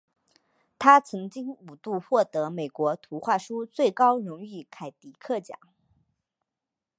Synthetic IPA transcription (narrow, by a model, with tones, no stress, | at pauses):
t̪ʰa˥t͡sʰɤ˧˥ŋt͡ɕi˥ŋu˨˩t̪u˥˧xwɔ˥˩t̪ɤ˧˥me˨˩ɪkwɔ˧˥t̪ʰu˧˥xwa˥˩ʂu˥t͡swe˥˩ɪkɑ˥ʊɻʊ˧˥ŋi˥˩kʰa˨˩ɪt̪i˧˥kʰɤ˥˩t͡ɕjɑ̰˨˩˦ŋ